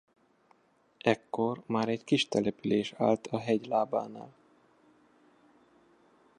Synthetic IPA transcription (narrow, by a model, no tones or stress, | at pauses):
ɛkːo̞rmaːɾɛɟkiʃt̪ɛlɛpyleːʃa̰ːlt̪ʰɒɦɛɟlaːba̰ːna̰ːl